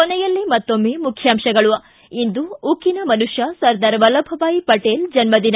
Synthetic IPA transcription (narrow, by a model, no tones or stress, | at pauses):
kɔnɛjɐlːimɐt̪ːomːeːmukʰjaːmʃɐɡɐɭuɐ | ind̪uukinɐmɐnuʂjɐsɐɾd̪ɐɾʋɐlɐbʱɐʋaːjipɐʈeːld͡ʒɐnmɐd̪inɐ